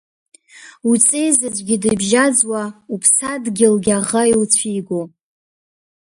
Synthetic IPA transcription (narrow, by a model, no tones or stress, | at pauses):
ut͡sʼejzad͡ʒʷʼɡʲɪdɨbʒad͡zwaupʰsadɡʲɪlɡʲaʁajwt͡sʷʰiːɡʷo